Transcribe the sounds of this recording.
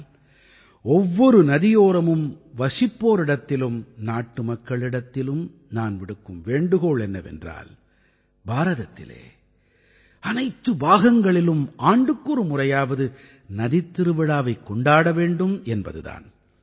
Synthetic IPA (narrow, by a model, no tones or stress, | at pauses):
ɔʋːɔɾɯnɐðɪjoːɾɐmɯmʋɐʂɪpːoːɾɪɽɐt̪ːɪlɯmnaːʈːɯmɐkːɐɭɪɽɐt̪ːɪlɯm | naːnʋɪɽɯkːɯmʋeːɳɖɯɣoːɭɛnːɐʋɛ̰ndra̰ːl | baːɾɐðɐt̪ːɪ̰lḛː | ɐnɐɪt̪ːɯbaːɣɐŋɡɐɭɪlɯmaːɳɖɯkːuɾɯmʊrɐjaːʋɐðɯ | nɐðɪt̪ːɪɾɯʋɪɽaːʋɐɪkːɔɳɖaːɽɐʋeːɳɖɯmɛnbɐ̰ðɯ̰ða̰ːn